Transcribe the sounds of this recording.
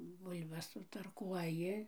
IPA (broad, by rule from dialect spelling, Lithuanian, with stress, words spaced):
ˈbʊlʲbɐs sʊtɐrˈkuɔjɪ